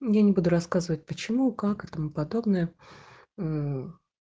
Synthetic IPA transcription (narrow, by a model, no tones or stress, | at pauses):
janʲɪbud̪ʊɾɐskazɨvət̚ʲpət͡ɕɪmukakɛt̪əmupɐd̪o̞bnəjə